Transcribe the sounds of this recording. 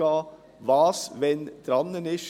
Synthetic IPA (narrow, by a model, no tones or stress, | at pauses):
ɑː | ʋɑːsʋɛnt̪ʰɾɑnːənɪʃ